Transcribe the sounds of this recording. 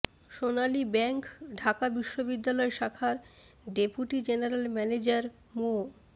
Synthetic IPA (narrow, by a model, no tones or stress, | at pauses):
ʃonalibɛŋkɖʱakabiʃːobid̪ːalɔeʃakʰaɾ | ɖepuʈid͡ʑeneɾelmɛned͡ʑaɾ | mo